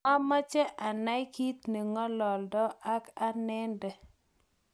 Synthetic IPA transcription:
a˦ma˦t͡ʃɛ˦ʔa˨na˦jki˦t̪ni˨ŋɔ˦lɔ˨ldɔ˦a˦ka˦nɛ˦ndɛ˨

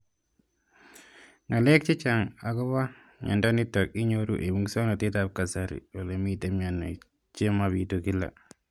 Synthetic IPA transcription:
ŋa˨lɛ˦k̚t͡ʃi˦t͡ʃa˨ŋa˨kɔ˦βa˦ | ɲa̰˨nda˦ni˦tɔ˨k̚i˦ɲo˦ɾṵ˦ʔe˨mu˦ŋso˦no˨ti˦ta˦p̚ka˨sa˨ɾḭ˨o˨le˨mi˦te˨˦mia˨nːo˨ | t͡ʃe˦ma˨βi˨tu˨ki˦la̰˨

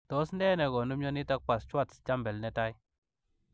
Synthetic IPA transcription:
to˨˦sndɛ˦nɛ˨ɡɔ˨nu˦mɲɔ˦ni˦ta˦k̚pa˨st͡ʃa˦˨tst͡ʃa˦mbɛ˨lnɛ˦ta˦i˦

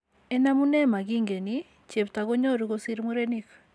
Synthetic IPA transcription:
e˦na˦mu˦ne˦ma˨ɡi˦ŋɡe˨ni | t͡ʃe˨pta˨ɣo˦ɲo˦ɾu˨ɣo˦si˦ɾmu˦ɾe˦ni˦k

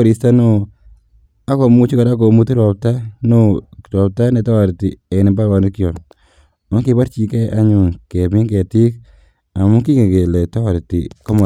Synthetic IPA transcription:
ɾi˨sta˦no˦ | a˦kɔ˨mu˦t͡ʃi˦ka˨ɾa˦ko˨mu˦ti˦ɾɔ˨p̚ta˦no˦ɾɔ˨p̚ta˦ne˨ta˦wa˨ɾti˨ɛ˨nɪ˨mba˦ɾwa˨nɪ˦ki˦jɔ˨n | ɔ˦ŋkɪ˨pa˦ɾt͡ʃi˨kɛ˦ʔa˦ɲʊ˨ŋkɛ˨pi˦kɛ˨ti˦k̚ | a˨mu˦ki˦ŋe˨ke˨lɛ˨tɔ˦wa˨ɾtḭkɔ˦mɔ˨

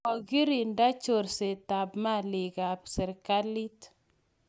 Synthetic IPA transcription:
ɔ˨ɡi˦ɾi˨nda˦t͡ʃo˨ɾse˨ta˨bma˦li˨ɡa˨psɛ˨ɾka˦li˦t

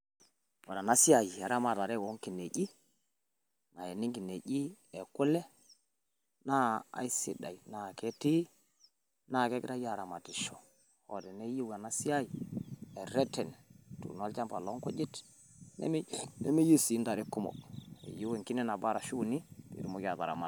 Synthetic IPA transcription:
o˨ɾa˨na˦si˦a˨ji˨a˨ɾa˦ma˨ta˨ɾɛ˦ɡo˨˦ŋki˨ne˨ɟi˦ | na˨je˨ni˦ŋki˨ne˨ɟi˦e˨ku˦le˦ | na˦a̰˨i˦sḭ˦da̰˨i˨na˨ke˦ti˦ | na˦˨ke˦ki˦ɾa˦ja˦˨ɾa˨ma˨ti˨ʃo˨ | ɔ˨dɛ˨ne˦ji˦wa˨na˦si˦a˦ji˨ɛ˨ɾɛ˦tɛ˨ntṵ˨n˦a˦lt͡ʃa˦mpa˨lɔ˦ŋkɔ˦d͡ʒi˦t | nɛ̰˦m˦nḛ˦me˦ju˦si˨˦nda˨ɾi˦ku˦mɔ̰˨kḛ˨ju˦we˨ŋki˦nɛ˦na˨ba˦ɾa˨ʃu˦˨ni˦pḭ˨ɾu˦mo˦ka˨ta̰˨ɾa̰˨ma˨

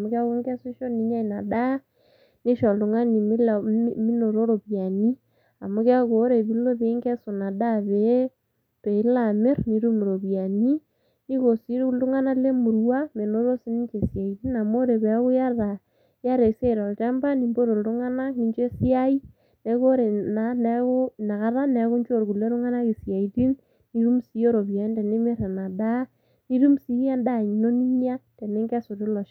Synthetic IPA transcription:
mo˦ka˦ɣo˦ŋɡɛ˦su˦ʃɔ˦ni˨˦ɲa˦i˨na˨da˦ | ne˦ʃɔ˨lu˨ŋa˦ni˨m˦mi˦no˨ɾo˦ɾo˨βja˨ni˦ | a˨mo˨˦ɣa˦ɣo˨˦ɾe˨βi˦lo˦ðeː˨˦ŋɡɛ˦so˨na˨da˦βe˨˦ | pe˨i˦la˨me˦ɾni˨ɾu˦me˨ɾo˨βja˨ni˦ | ni˦ɣo˨si˦ɾu˦u˦ŋa˦na˦le˦mu˨ɾwa˦me˨no˦ɾo˦si˦ni˦ɲt͡ʃe˨sja˨i˨ði˦na˨mo˦ɾe˨βɛ˨a˦ɣu˦ja˦ða˨ | ja˦ɾe˨se˦˨ɾɔ˨ltɛ˦mba˦ni˨mbo˦ɾo˨ltʊ˦ŋa˦na˦ni˨ɲt͡ʃe˦si˦a˦i˦ | ne˨ko˦ɾe˨na˨˦nɛ˨˦kʊ˦na˨ka˦ɾa˦nɛ˨ku˦ɲt͡ʃo˦˨ɾku˨le˦ɾʊ˦ŋa˦na˦ki˨sja˨i˨ti˦n | ni˨ɾu˦msi˦jo˦ɾo˨ba˨ni˦te˨ne˦mɪ˦ɾe˨na˨da˦ | ni˦ɾu˦msi˦ja˦nda˦˨ɲi˨no˦ni˦ɲja˦te˨ne˦ŋɡɛ˦so˨ɾɪ˦lɔ˨ʃ

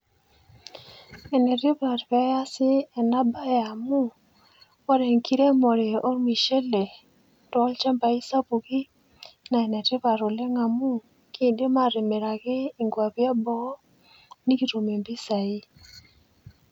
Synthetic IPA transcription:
ɛ˨nɛ˨ɾɪ˦ba˨ɾpɛ˨˦ja˦sɪ˦ɛ˨na˦ba˦ja˨mu˦ | ɔ˦ɾɛ˨ŋki˦ɾe˦mɔ˨ɾe˨o˦mi˨ʃe˦le˨ | tɔ˨˦lt͡ʃɛ˦mba˨i˦sa˦pu˨ɡi˦ | na˨ɛ˨nɛ˨ɾɪ˦βa˨ɾɔ˨lɛ˦ŋa˨mu˦ | kɪ˦˨de˦ma˦˨ɾɪ˨me˨ɾa˨ɡɪ˦i˨ŋɡwa˨pja˦bɔ˦ | ni˦ki˨ɾo˨me˨mbi˦sa˨i˦

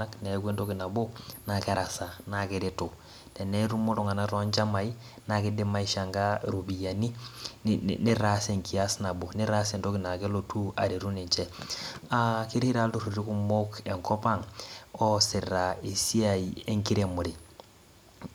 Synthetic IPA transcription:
a˦kne˨˦ɡwe˦ndo˦ki˨na˨bo˦na˨kɛ˦ɾa˨sa˨na˦kɪɾɪ˦to˨ | tɛ˨nɛ˦ɾu˦mo˦to˦ŋa˨na˦ɾɔ˦a˦ɲt͡ʃa˦ma˨i˦ | na˨kɪ˦dɪ˦ma˦i˦ʃa˨ŋɡa˦ɾu˨bi˨ja˨ni˦n̰ni˦ɾa˦se˨ŋki˨a˦sna˨bo˨ni˦ɾa˦sɛ˨nto˦ki˨na˨kɛ˦lo˨tu˦a̰˨ɾi˨ɾu˦ni˨ɲt͡ʃɛ˦aki˦ɾi˦ɾa˦ltu˦ɾu˨ɾi˦ku˦mo˦ke˨ŋkɔ˦pa˦ŋɔ˦sɪ˨ra˨e˨si˦a˨ie˦ŋki˦ɾe˨mu˨ɾi˨

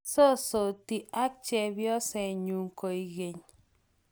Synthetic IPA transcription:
so˦so˨ti˨ʔa˦k̚t͡ʃɛ˨bjɔ˦sɛ˨ɲu˨ŋko˨i˨ɣe˨ɲ

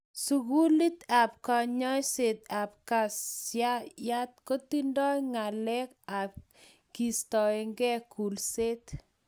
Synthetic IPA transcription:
su˨ɣu˦li˦t̪a˨p̚ka˨ɲɔ˦jse˨t̪a˨p̚ka˨saja˦t̪̚ko˦t̪i˦ndɔ˦jŋa˨lɛ˦ka˨p̚ | ki˨stɔ˨e˨ŋɡɛ˦ku˨lse˦t̪

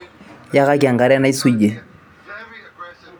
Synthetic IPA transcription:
ja˦ɣa˦kɪ˨a˨ŋ̩ɡa˨ɾɪ˦a˦na˦i˦su˦i˨ʄe˦

